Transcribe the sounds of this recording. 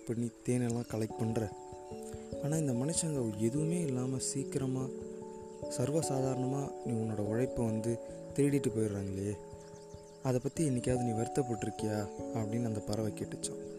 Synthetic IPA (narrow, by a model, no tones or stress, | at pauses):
pːɐnit̪eːnɛlːãːkɐlɐɪk̚pɐɳɾɛ̃ | aːnaːɪnd̪ɐmɐnɪt͡ʃːɐŋɡɐɐʋɛðɯʋɯmeːɪlːaːmɐsiːkɪɾɐmaː | sɐɾʋɐsaːðaːɾɐɳɐmaːnĩːʊnːoːɽɐɐɻɐɪpːɯʋɐnd̪ɯt̪ɛɾɪɽɪʈːɯpoːjɪɾɾaːŋɡɐɭɪje | ɐðɐpːɐt̪ːiɛnːɪkːaːðɯnĩːʋɐɾɯt̪ːɐp̬ːɐːʈːɪɾɯkːɐjaːɐpːɐɽɪnːɐnd̪ɐpɐɾɐʋɐkeːʈːɯt͡ʃːɐ̃ː